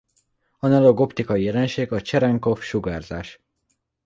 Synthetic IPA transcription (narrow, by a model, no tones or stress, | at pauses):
ɒnɛlo̞ɡo̞pt̪ikɒjijɛlɛnʃeːɡɒt͡ʃɛɾɛŋko̞fʃuɡaːrzaːʃ